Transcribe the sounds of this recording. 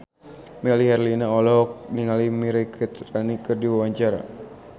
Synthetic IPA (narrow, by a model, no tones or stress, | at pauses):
mɛliɦɛrlinaɔlɔk̚niŋalimiɾɛkʰit̪ranikɨrdiwawaɲt͡ʃaɾa̰